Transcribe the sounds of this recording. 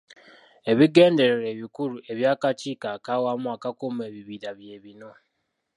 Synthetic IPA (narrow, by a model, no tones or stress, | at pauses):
e̞βiɡe̞ːnde̞ɾeɾe̞ːβikuɾuʔe̞βjaːkaciːkakawamuakakomue̞ːβiβiɾaβje̞ːβino̞